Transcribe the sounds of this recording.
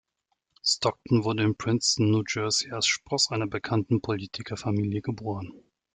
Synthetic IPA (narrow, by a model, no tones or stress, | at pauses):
stʰɔk̚tn̩vʊɐdəɪnpʁ̥ɪnsn̩ːuːd͡ʒœɐzialsʃpʁ̥ɔsʔaɪnɐbəkʰantn̩pʰoliːtʰɪkʰɐfamiːljəɡəboːʁən